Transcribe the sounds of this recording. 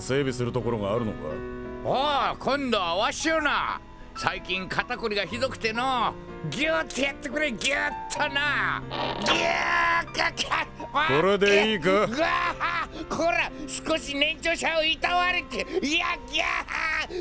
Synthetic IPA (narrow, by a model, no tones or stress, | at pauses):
se̞ːbʲisɨɾɯ̟t̪o̞ko̞ɾoɡaːɾɯ̟no̞̰ka̰okʰõ̞nd̪oaβaɕiona̰ | saikʲĩŋkʰat̪akoɾʲiɡaçid̪o̞kɯ̥t̪e̞no | ɡʲɯt̪ʰːejat̪ːekoɾeɡʲɨt̪ʰːona | ɡʲɯkakʰaβakoɾe̞d̪eiːkɯɯa | kʰoɾasɨ̥ko̞ɕinẽ̞ɲt͡ɕoːɕaoit̪aβaɾɯt̪eiaɡʲa